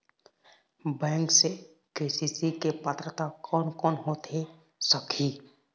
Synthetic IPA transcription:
bɛ̃ːŋkse | keːsisikepət̪ɾət̪akɔːnkɔːnɦoːt̪e | səkʰiː

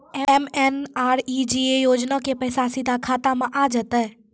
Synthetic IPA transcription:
ɛemenaːɾid͡ʒiejoːd͡ʒnakepəɪsasid̪ʱakʰaːt̪amãʔad͡ʒət̪ə

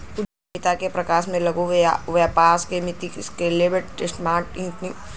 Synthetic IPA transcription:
kʊd͡ʒ | ɪt̪akepɾɐkaːʃmẽlɐɡuʋaʋjapaːskemɪt̪iskeleːbəʈʈɪsʈmaːʈĩːt̪nĩ

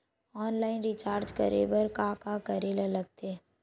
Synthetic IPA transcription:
ɔːnlaːɪnɾɪt͡ʃaːɾd͡ʒkɐ̰ɾḛːbəɾkakakɐɾeːlələɡ̚t̪ʰe

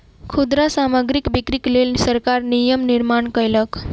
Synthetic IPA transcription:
kʰud̪ɾasaməɡɾikbikɾiklelsəɾkaɾnijəmniɾmaɳkəjlək

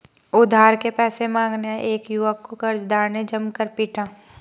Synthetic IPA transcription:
ʊd̪ʱaːɾkepɛːsemãːŋɡneeːkjʊʋəkːokɐɾd͡ʒd̪aːɾned͡ʒɐmkəɾpiːʈʰãː

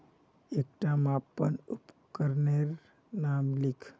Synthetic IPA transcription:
ek̚ʈamãpːənupkəɾneɾ | namlikʰ

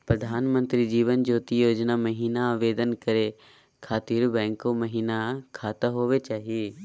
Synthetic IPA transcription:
pɾəd̪ʱaːnmə̃nt̪ɾid͡ʒiːʋənd͡ʒoːt̪ijoːd͡ʒnaməɦiːnaʋeːd̪ənkəɾe | kʰaːt̪iːɾbɛ̃ːŋkoməɦiːnakʰaːt̪aɦoːʋet͡ʃaːɦieː

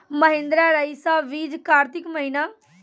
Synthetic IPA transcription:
məɦẽnd̪ɾaɾəisaʋiːd͡ʒkaːɾt̪ɪkməɦina

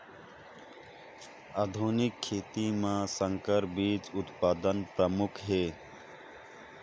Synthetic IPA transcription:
ad̪ʱuːnɪkʰːeːt̪imãːsəŋkəɾbiːt͡ʃʊt̪paːd̪ənpɾəmʊkʰɦeː

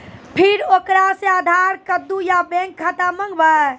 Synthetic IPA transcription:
pʰiɾokɾasead̪ʱaɾkəd̪ːujabẽŋkʰːat̪amə̃ŋɡba

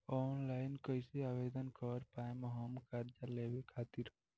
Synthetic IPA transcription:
ɔnlaɪnkəɪseabed̪ənkəɾpaemeɦəmkəɾd͡ʒalebekʰat̪iɾ

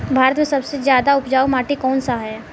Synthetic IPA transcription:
bʱaːɾət̪mẽsɐbsezjaːd̪aʊpd͡ʒaːumaːʈikɔːnsaɦɛː

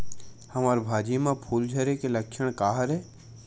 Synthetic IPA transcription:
hɐmaːɾbʱaːd͡ʒimãpʰuːld͡ʒʱəɾekelɐkʃəɽ̃kaːɦəɾɦɛː

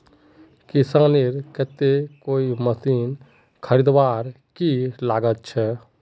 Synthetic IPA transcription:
kisaneɾkət̪ekoiməsin | kʰəɾid̪ʋaɾ | kilaɡət̪̚t͡ʃʰɛ

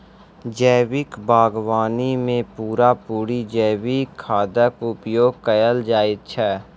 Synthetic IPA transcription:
d͡ʒəːwɪkbaːɡwaːnimẽpuːɾapuːɾid͡ʒəːwikʰːaːd̪əkʊpjoːɡ̚kəjəld͡ʒaːɪt̪̚t͡ʃʰɛː

